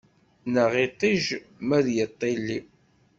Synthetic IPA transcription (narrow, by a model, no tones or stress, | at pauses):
nəʁɪt̪ˤiʒ | mæðjət̪ˤːelːi